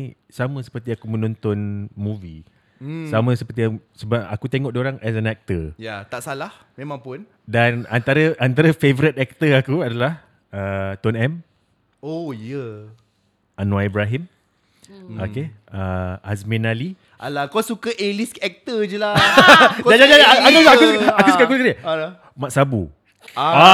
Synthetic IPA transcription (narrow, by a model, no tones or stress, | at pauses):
samə̃sə̥pərt̪iakumə̃nɔnt̪ɔnmuvi | samə̃səpərt̪iaŋsəbaakut̪eŋɔʔ̚dioɾaŋɛs̬ɛnɛk̚t̪əjat̪aʔsalah | mẽmãŋpʊn | danant̪aɾəʔant̪aɾəfevəɾit̪ɛk̚t̪əakuadalah | ət̪ɔnɛm | ojə | ʔanwaibɾaɦim | oke | əasmĩnali | alakosukəʔelisɛk̚t̪əd͡ʒəla | ad͡ʒad͡ʒaaakuaakusukausukakusuka | maʔsabu | a